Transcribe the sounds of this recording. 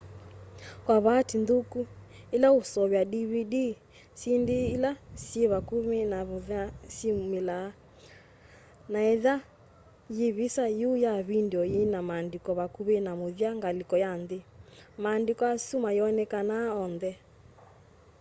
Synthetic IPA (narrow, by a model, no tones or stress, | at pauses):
kwaβatinduku | elausɔβjaɗiβidi | sindeːlasieβakumenaβðasimela | naɛða | jeβisajujaβindɔjinamaːndikɔβakuβenamoðiaŋɡalikɔjanðemaːndikɔasumajɔnɛkanaɔnðɛ